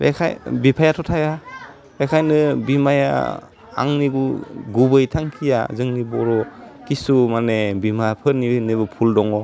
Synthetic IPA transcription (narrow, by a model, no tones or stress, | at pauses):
ɾḛkʰa̰jbipʰajatʰɔtʰaja | ɾekʰajnɯbimaja̰ | a̰ŋniɡuɡubɯjtʰaŋkʰija̰zɯŋnibɔɾɔkisumanebimapʰɯnineβɯpʰuldɔŋɔ